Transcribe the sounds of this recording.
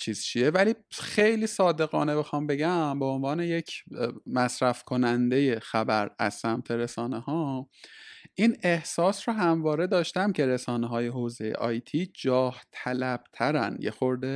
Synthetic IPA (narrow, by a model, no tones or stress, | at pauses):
t͡ʃʰiːz̥t͡ʃʰie̞væliːxejliːsɒːd̪e̞ɣɒːne̞bexɒːmbe̞ɟæmbeonvɒːne̞je̞cʰmæsɾæfkʰo̞nænd̪e̞je̞xæbæɾæ̰z̥sæmt̪ʰe̞ɾe̞sɒːnehɒː | ʔiːnehsɒːsroɦæmvɒːɾe̞d̪ɒːʃt̪æmcʰe̞ɾe̞sɒːneɦɒːje̞ɦoːze̞jḛʔɒ̰ːjt̪ʰiːd͡ʒɒːht̪ʰælæb̥t̪ʰæɾæ̰njḛxo̞ɾd̪e